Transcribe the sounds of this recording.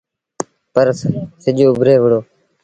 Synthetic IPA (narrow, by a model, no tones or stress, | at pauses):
pəɾssɪʄoːʊbʱɾeːʋəɽoː